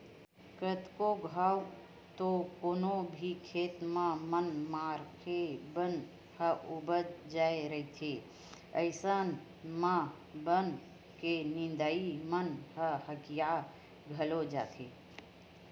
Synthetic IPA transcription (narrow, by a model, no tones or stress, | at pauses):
kɾət̪koɡʱaːw | t̪okoːnobʱikʰeːt̪mãmənmaːɾkebən | həʔʊbəd̪d͡ʒaːeɾəit̪ʰe | əɪsən | mã | bən | kenɪ̃nd̪aimənɦəɦəkija | ɡʱəlod͡ʒa̰ːt̪ʰeː